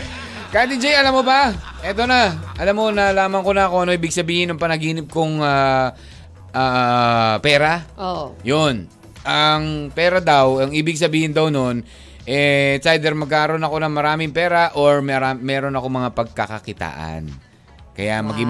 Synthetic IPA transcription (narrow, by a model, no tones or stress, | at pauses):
kad̪id͡ʒɛjɐlamːobɐʔɛːt̪o̞nɐʔɐlamːo̞nɐlaːmɐŋkonɐɐko̞ʔɐno̞ʔiːbɪɡ̚sɐbiːhɪnɐŋpɐnɐɡiːnɪb̚koŋa | ʔaːʔpɛːɾaojon | ʔɐŋpɛːɾɐd̪awɐŋʔiːbɪɡ̚sɐbiːhɪnd̪ɐwno̞n | ʔɛsajd̪ɛɾmɐɡ̚kaːɐɾo̞nɐko̞nɐŋmɐɾaːmɪŋpɛːɾɐʔoɹmɐɾamɛːɾo̞nɐko̞mɐŋapɐɡ̚kɐkɐkɪt̪a̰ːʔɐ̰n | kɐ̰jamɐɡiŋ